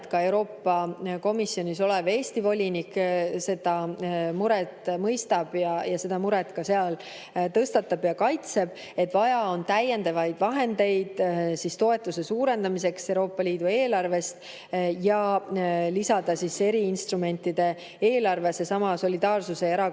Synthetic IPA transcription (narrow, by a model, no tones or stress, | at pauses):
t̪kɑe̞wɾo̞ːpːɑko̞misːio̞nʲiso̞le̞ve̞ːst̪ivo̞lʲinikse̞d̪ɑmuɾɛt̪ˑmɤjst̪ɑb̥jɑjɑse̞d̪̥ɑmuɾɛt̪kɑseɑl | t̪ɤst̪ɑt̪ːˑɑb̥jɑkɑjt̪se̞b̥ | e̞t̪ːˑvɑjɑo̞nt̪æje̞nd̪ɑvɑjd̪̥vɑɦe̞nd̪e̞jd̪̥sist̪o̞e̞t̪ˑːuse̞suːɾe̞nd̪ɑmise̞kse̞wɾo̞ːpːɑliːd̪ue̞ːlɑrve̞st̪ | jɑ | lisɑd̪̥ɑsise̞ɾiinst̪ɾume̞nʲt̪ːˑid̪̥e̞ | eːlɑrvesesɑmɑso̞lʲid̪ɑːrsuse̞eɾɑ